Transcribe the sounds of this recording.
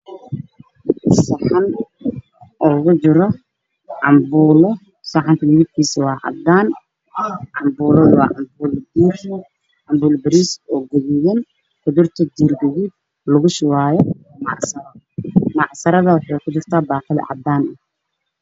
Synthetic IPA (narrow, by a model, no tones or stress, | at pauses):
sɑħɑn | ʔɔːɣʊd͡ʒɪɾɔ | ʕɑmbuːlɔ | sɑħɑnt̪ʰɐwɪðɪb̪̚kʰiːsɐwɑːʕɑ̰d̪aːn | ʕɑmbuːlɐðʊwɑ̰ːʕɑmbuːld̪iːrɐ | ʕɑmbuːlbɐɾisɔːɡɐɣɪjɛn | ħʊðʊrt̪ʰɐd̪iːrɡɐɣiːd̪̚ | lʊɣʊʃɪwaːjɔ | mɑʕsɐɾɐ | mɑʕsɐɾɐðɐwɑħɑjkʰʊt͡ʃɪrt̪ʰaːbaːqɪlɐ̰ʕɑ̰d̪aːnɐ